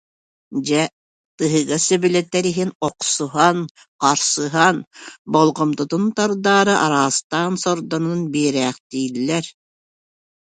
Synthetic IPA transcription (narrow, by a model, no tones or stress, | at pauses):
d͡ʑɛ | t̪ɯɦɯɡasɛbilɛt̪ːɛɾiɦinɔqsuɦan | qaɾsɯɦanbɔlˠʁɔmt̪ut̪unt̪aɾd̪aːɾɯʔaɾaːst̪aːnsɔɾd̪ɔnunbiɛɾɛːχt̪iːlʲːɛɾ